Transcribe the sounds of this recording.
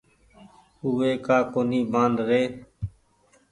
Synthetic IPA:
uːeːkaːkoːniːbãːnd̪ɾeː

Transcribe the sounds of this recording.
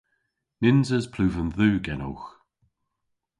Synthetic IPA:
nɪnzəzpʰl̥ʉːvənðʉːɡɛno̰wx

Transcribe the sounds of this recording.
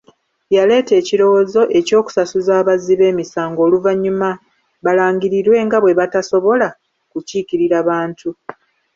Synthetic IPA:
jale̞ːte̞ːciɾo̞woːzo̞ʔe̞co̞ːku̥sasuzaːβaziβe̞ːmisaːŋɡo̞ːluvaɲːuma | βalaːɲɟiɾiɾwe̞ːŋɡaβwe̞βataso̞βo̞la | kuciːciɾiɾaβaːntu

